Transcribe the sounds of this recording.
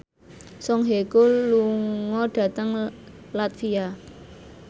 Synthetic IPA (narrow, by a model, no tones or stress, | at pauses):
sɔŋɦekoluŋɔɖ̥ä̤t̪əŋlat̪fia